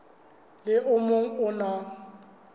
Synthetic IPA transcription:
lɪʔʊmoŋ̩ʊnɔ

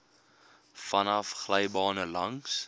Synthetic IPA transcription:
fɐnɐfχləjbɑːnəlɐŋs

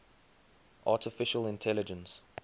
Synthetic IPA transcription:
ʔɑˑtɪfɪʃəlɪ̃ntʰɛlɪd͡ʒə̃ns

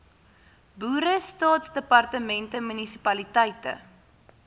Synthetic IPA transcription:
buːɾəstɑːtsdəpɐrtəmɛntəmynisipɐlitəjtə̰

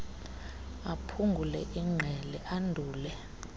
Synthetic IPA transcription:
apʰuŋɡʱulɛʔiŋ͡ǁʱɛlɛʔandʱuːlɛ

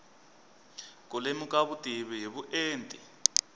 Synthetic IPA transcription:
k̬ʼulemukʼaβutʼiβiɦiβuʔeːntʼi

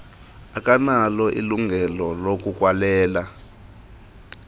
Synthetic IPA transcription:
ak̬ʼanalɔʔḭluŋʱɛlɔlok̬ʼuk̬ʼwalɛːla

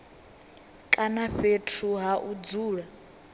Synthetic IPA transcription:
kʼanaɸetʰuɦaʔud͡zuːɺa

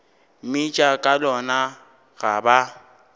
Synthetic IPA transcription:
mit͡ʃʼakʼalɔna | ɣaba

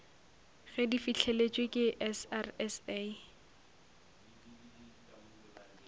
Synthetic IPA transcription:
ɣɛdifiɬʰelet͡ʃʼwekʼɪʔɛsarɛse

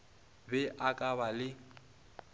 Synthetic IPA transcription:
bɛʔakʼaβalɪ

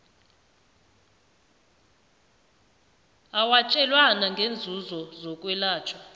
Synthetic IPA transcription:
awat͡ʃʼɛlwanaŋɡʱend͡zʱuzɔzɔkʼwɛlaːt͡ʃʰʼɔ

